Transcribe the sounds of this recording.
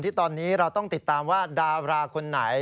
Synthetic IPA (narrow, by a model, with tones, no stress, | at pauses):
nt̪ʰiː˥˩t̪ɔː˧nːiː˦˥ɾa˧wt̪ɔ˥˩ŋt̪i˨˩t̪ːaː˧mwaː˥˩daː˧ɾaː˧kʰo˧nːa̰˩˦j